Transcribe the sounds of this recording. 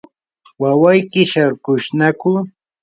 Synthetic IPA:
wawajkɪʃaɾkʊʃnakʊ

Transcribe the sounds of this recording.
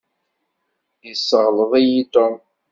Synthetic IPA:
jisːəʁləðˤijit̪om

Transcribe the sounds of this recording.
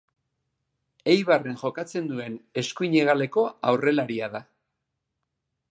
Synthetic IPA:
e̞jβare̞ŋʝo̞kat͡se̞nd̪ue̞ne̞skuiɲe̞ɣ̞ale̞ko̞awre̞laɾiaða

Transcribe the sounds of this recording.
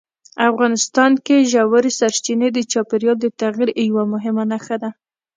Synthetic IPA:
afɣɑnɪst̪ɑnkeʒawaɾesaɾt͡ʃined̪ət͡ʃɑpeɾjɑld̪ət̪aɣiɾjwamʊɦɪmanaxad̪a

